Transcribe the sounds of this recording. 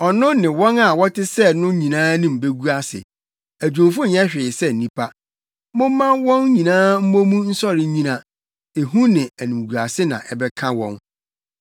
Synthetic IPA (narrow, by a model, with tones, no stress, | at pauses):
ɔ˨nʊ̃˦nɪ̃˨wɔ̃˦na˨wɔ˦tɪ˦sɛ˦˨nʊ̃˦ɲĩ˨nãː˦nɪ̃˦m̩˨be˦ɡu˦a˦sɪ̰˨ | æ˨d͡ʑᶣʊ̃˨fʊ̃˦ɲɛ˦ɕᶣɪ˨sɛ˦n̩˨nĩ˦pʰa˦ | mʊ̃˦mː˦ã˦wɔ̃˦nɲĩ˨nãː˦m̩˦mõ˦mũ˦n̩˦sɔ˦ɾɪ˨˦ɲĩ˦nã˨ | e˨ɦũ˦nɪ̃˨æ˨nĩ˨mɡu˨a˨sɪ˦nã̰˨ʔɛ˨bɛ˦kʰã˦wɔ̰̃˦n